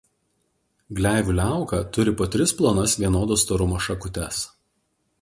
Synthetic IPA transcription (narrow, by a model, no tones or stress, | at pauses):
ɡlʲæˑːʋʲuːlʲæˑʊkɐːˑt̪ʊɾʲɪpoːt̪ʲɾʲɪsplˠoːnɐsʋʲiɛnoːd̪oːst̪oːɾʊmoːʃɐkʊt̪ʲɛs